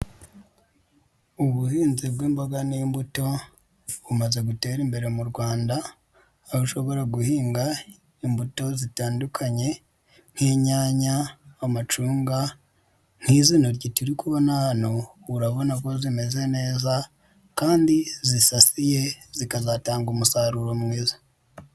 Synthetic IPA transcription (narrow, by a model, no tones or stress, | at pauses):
uβuhiːnzibɡwiːmboɡanimbuto̞ | βumaze̞ɡute̞ːɾimbe̞ɾe̞muɾɡwaːndaː | βuʃo̞βo̞ɾaɡuhiːŋɡa | imbuto̞zitaːndukʰaɲe̞ | n̥heːɲaːɲaːmat͡ʃuːŋɡa | n̥hizinoɾɟitiɾikuβo̞nahano | uɾaβo̞nako̞zime̞ze̞ne̞ːza | kaːndizisasije̞zikazataːŋɡumusaːɾuɾomwiːzḁ